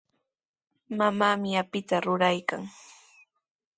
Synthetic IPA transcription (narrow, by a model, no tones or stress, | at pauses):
mamaːmɪapɪt̪aɾʊɾajka̰ŋ